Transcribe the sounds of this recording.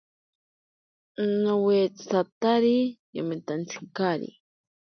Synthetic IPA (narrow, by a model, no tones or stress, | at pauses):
nowet͡sat̪aɾija̰mit̪ant͡siŋkaɾḭ